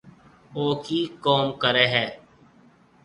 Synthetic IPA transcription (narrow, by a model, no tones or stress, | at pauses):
oːkiːkoːmkəɾeːɦɛː